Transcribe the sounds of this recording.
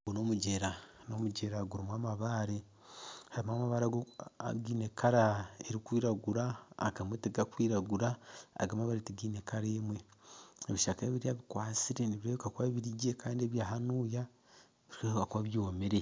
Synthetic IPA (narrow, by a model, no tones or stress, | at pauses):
ɡuno̞muɟeɾano̞muɟe̞ɾaɡuɾimwaːmaβaːɾe | haɾimamaβaɾaɡo̰ɡiːnekaɾaeɾikwiːɾaɡuɾa̰ːɡamweteɡakwiːɾaɡuɾa̰ːɡamaβaɾetiɡiːnekaɾeːmweeβiʃakaeβiɾiaβikwaːt͡siɾeniβiɾekakwaβiɾiɟekaːndieβjaːɦanuːja | βiekakwaβjoːmeɾe